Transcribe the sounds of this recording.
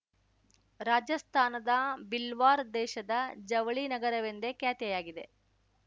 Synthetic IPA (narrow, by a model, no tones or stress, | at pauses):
ɾaːd͡ʒɐst̪ʰaːnɐd̪ɐbilʋaːɾd̪ɛːʃɐd̪ɐd͡ʒɐʋɐɭinɐɡɐɾɐʋend̪ekjaːt̪jɛjaːɡid̪e̞